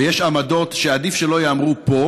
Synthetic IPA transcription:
ejeʃamado̞t̪ʃead̪ifʃelo̞jeamʁupo̞

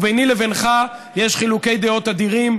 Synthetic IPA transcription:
vejnilevenχajeʃχiluke̞jd̪eo̞t̪ad̪iʁim

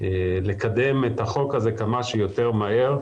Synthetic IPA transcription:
lekad̪emet̪aχo̞khazekamaʃujot̪eʁmahe̞ʁ

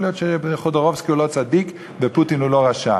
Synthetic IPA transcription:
lijot̪ʃeχod̪oʁovskiulot͡sad̪ik | veput̪inulo̞ʁaʃa̰

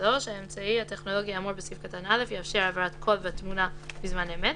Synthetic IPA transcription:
doʃaemt͡saihate̞χno̞lo̞ɡiamuɾbesifkatanale̞fjafʃiʁavaɾatkʰo̞lveatmunabizmanemet

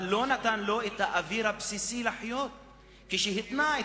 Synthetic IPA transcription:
lo̞nat̪anloet̪haʔaviɾabsisilaħjot̪̚ | kiʃeɦit̪nae

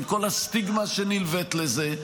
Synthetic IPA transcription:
ko̞lhast̪iɡmaʃenilvet̪leze

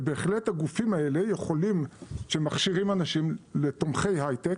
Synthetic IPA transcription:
beːχle̞thaɡufimae̞le̞jeχo̞limʃe̞maχʃiʁimanaʃimle̞tomχe̞jɦajtek

